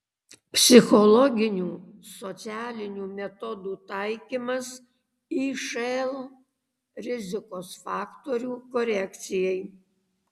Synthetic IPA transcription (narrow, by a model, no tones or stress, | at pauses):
pʲsʲɪxɔlˠɔɡʲɪnʲuːsɔt̪sʲæːlʲɪnʲuːmʲɛt̪ɔd̪uːt̪ɐɪkʲiːmɐs | iːʃɐlˠ | ɾʲɪzʲɪkoːsfɑːkt̪oɾʲuːkɔɾʲɛkʲt̪sʲɪjɛɪ